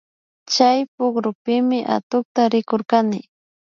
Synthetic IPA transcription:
t͡ʃajpʊɡɾʊpɪmɪʔa̰t̪ʊk̚t̪aɾɪkoɾkanɪ

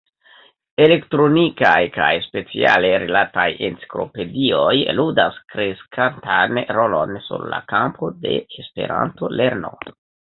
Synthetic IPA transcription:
ele̞ktɾo̞nikajkajspe̞t͡sia̰le̞ɾilataje̞nt͡si̥klo̞̰pe̞dio̞jludaskɾe̞skʰantanɾo̞lo̞nsṵɾla̰kampʰo̞de̞̰espe̞̰ɾa̰nto̞le̞ɾno̞̰

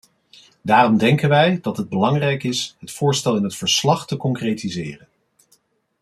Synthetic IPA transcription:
daːrɔmdɛŋkənʋɛjdɑtɦəd̚bəlɑŋrɛjkɪsɦətfʊːɹstɛlˠɪnətfəɹslɑχtəkɔŋkrejtizɪːrən

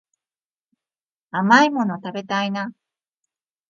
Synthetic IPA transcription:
amaimo̞no̞t̪abe̞t̪aina

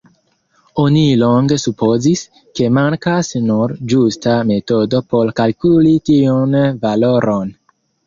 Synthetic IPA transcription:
onilo̞ŋɡe̞supo̞zis | ke̞maŋkasnuɾd͡ʒustame̞to̞do̞po̞ɾkalkulitionvaloɾʔon

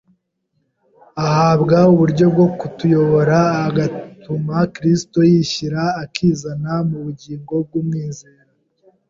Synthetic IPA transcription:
ahaːβɡauβuɾɟo̞b̚ɡo̞kutujo̞βo̞ɾaːɡatʰumakɾisto̞jiːçiɾaːkʰiːzanamuβuɟiːŋɡo̞b̚ɡumŋiːze̞ːɾa

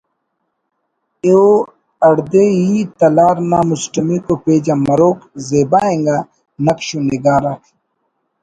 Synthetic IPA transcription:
eo | ɐɽd̪ejit̪ɐlaːɾnaːmusʈɐmikopeːd͡ʑamɐɾoːkzeːbaːẽŋɡa | nɐkɕuniɡaːɾakʰ

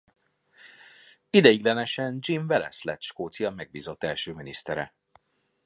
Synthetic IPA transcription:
id̪ɛjiɡlɛnɛʃɛnd͡ʒiɱvɛlɛ̰slɛ̰t̪ʃkoːt̪sijɒmɛɡ̚biːzo̞t̪ːɛlʃøːminist̪ɛɾɛ̰

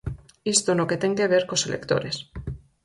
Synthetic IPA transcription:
ist̪onoke̞t̪e̞ŋke̞β̞e̞ɾkoselʔḛkt̪o̞̰ɾes

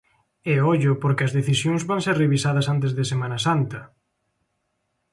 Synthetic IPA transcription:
eɔʎʊpoɾkɪɐzðeθisjoŋzβaŋseɾreβisaðɐsant̪ezðesemãnɐsant̪ɐ

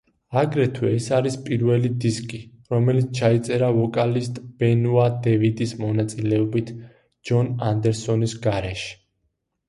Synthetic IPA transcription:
aɡɾɛt̪ʰwɛːsaɾispʼiɾvɛlid̪iskʼi | ɾɔmɛlit̪sʰt͡ʃʰait̪sʼɛɾavɔkʼalist̪ʼb̥ɛnuad̪ɛvid̪ismɔnat̪sʼilɛɔbit̪ʰ | d͡ʒɔnand̪ɛɾsɔnisɡaɾɛʃɛ̥

